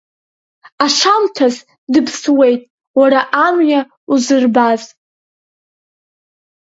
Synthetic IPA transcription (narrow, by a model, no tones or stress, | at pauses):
aʂamtʰaz | dɨpʰswe̞jtʼ | waɾaʔamja | uzɨrbaz